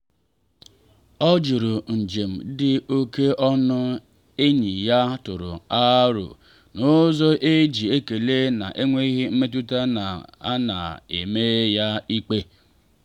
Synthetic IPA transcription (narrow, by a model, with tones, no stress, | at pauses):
ɔ˦d͡ʒu˨ɾʊ˨n̩˨d͡ʒe˨m̩˨dɪ˦o˦ke˦ʔɔ˦nʊ˦ | e˦ɲi˨ja˦tʊ˨ɾʊ̰˨a˦ɾʊ̰˨ | nʊ˦zɔ˦ʔe˦d͡ʒi˨e˦ke˨le˦na̰˨ʔe˦ŋʷe˦i˦ɦɪ˦m̩˦me˦t̬u˦ta˦na˨a˦na̰˨ḛ˨me˦ja˦i˦k͡pe˦